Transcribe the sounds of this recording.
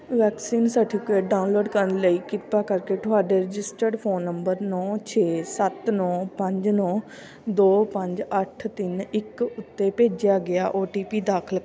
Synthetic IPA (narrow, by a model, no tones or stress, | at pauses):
ʋɛːksiːnsəʈʰiːkeːɖaːʊnloːɖkəɾənləiːkɪpaːkəɾkeːʈʰʊɦaːɖeːɾɪd͡ʒɪsʈəɾɖpʰoːnːəmbəɾnɔ̃ːt͡ʃʰeːsət̪nɔ̃ːpəɲd͡ʒnɔ̃ː | d̪oːpəɲd͡ʒəʈʰt̪ɪnɪkʊt̪ːeːpeːd͡ʒɪjaːɡɪaːʔoːʈiːpiːd̪aːkʰəl